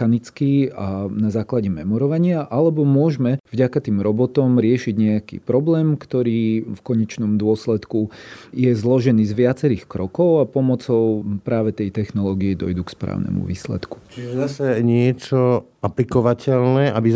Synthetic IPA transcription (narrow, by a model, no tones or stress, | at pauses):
anit͡skiːanazaːklaɟɛmɛmɔɾɔʋaɲɪaʔalɛbɔmʊɔʒmɛvɟakat̪iːmɾɔbɔt̪ɔmɾɪɛʃiɟɲɛakḭːpɾɔblɛːmkt̪ɔɾiːfkɔɲɛt͡ʃnɔmd̪ʊɔslɛt̪kujɛzlɔʒɛniːzʋɪat͡sɛɾiːxkɾɔkɔʊapɔmɔt͡sɔʊpɾaːʋɛt̪ɛjt̪ɛxnɔlɔːɡiɛd̪ɔjd̪ukspɾa̰ːʊnɛ̰mṵʋḭːslɛ̰t̪ku̥t͡ʃiʒɛzasɛɲɪɛt͡ʃɔ | aplikɔʋacɛlnɛʔabi